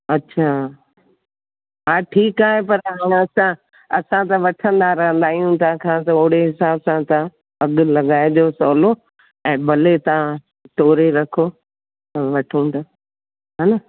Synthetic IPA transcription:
ɐtːɕʰaː | ɦaːʈʰiːkaːɦepɐɾɦaːɽ̃ɐsã | ɐsãt̪ɐʋɐʈʰə̃nd̪aɾɐɦə̃nd̪aːijũt̪aãkʰãːt̪ɐʊɦɽeɦɪsaːsãt̪a | ɐɡʊlɐɠaːed͡ʑoːsɔːlo | ɛ̃ːbɐlet̪ɐã | t̪oːɾeɾɐkʰo | ʋɐʈʰũːnd̪a | ɦaːna

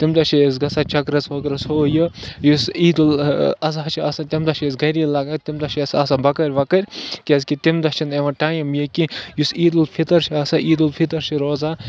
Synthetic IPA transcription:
t̪imd̪ɐʃʰies̬ɡɐsat͡ʃɐkɾɐt͡sʋɐkɾɐshoːjɨjusiːd̪ulɐs̬aːt͡ʃʰiasat̪ʲɐmd̪ɐt͡ʃʰesɡɐɾilaɡat̪imd̪ɐʃʰiɐsɐsabɐkɐɾʲʋɐkɐɾʲkʲeskit̪imd̪ɐt͡ʃʰineʋɐ̃ʈaːjimjikijusiːd̪ulpʰit̪ɐɾt͡ʃʰiaːsaʔiːd̪ulpʰit̪ɐɾt͡ʃʰiɾoːza

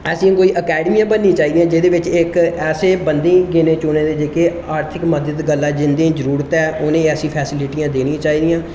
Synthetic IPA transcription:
ɛːsĩãkoːiːʔəkɛːɖəmiːjãːbənːĩːt͡ʃaːiːd̪ijãːd͡ʒɪd̪eːʋɪt͡ʃɪkɛːseːbənd̪ẽːɡɪnẽːt͡ʃʊːneːd̪eːd͡ʒeːkeː | aːɾt̪ʰɪkməd̪əd̪ɡəlːãːd͡ʒɪnd̪ẽːzəɾuːɾət̪ɛːʔʊnẽːɛːsĩːpʰɛːsɪlɪʈijãːd̪eːnĩːt͡ʃaːɦiːd̪ijãː

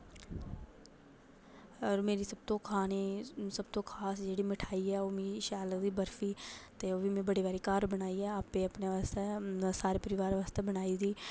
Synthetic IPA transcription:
ɔːɾmeːɾiːsəb̚t̪õːkʰaːneːsəbt̪õːkʰaːsd͡ʒeːɽiːmɪʈʰaːiːɛːoːmĩːʃaːləɡd̪iːbəɾfiːt̪eːoːbiːmẽːbəɽiːʋaːɾiːkaːɾbənaːiːɛːaːpeːəpneʋaːst̪ɛːsaːɾeːpəɾɪʋaːɾʋaːst̪ɛːbənaːiːd̪iː

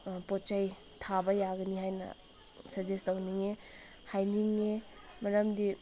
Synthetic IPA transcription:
pɔt͡ʃaj | tʰabɐjaɡɐniɦajnɐ̰ | sɐzestawniŋe | hajniŋe | mɐɾɐmdi

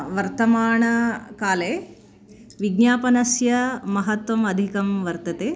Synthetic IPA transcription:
ʋɐɾt̪ɐmaːɳɐkaːleː | ʋiɡnjaːpɐnɐsjɐmɐɦɐt̪ʋɐmɐd̪ʱikɐmʋɐɾt̪ɐt̪eː

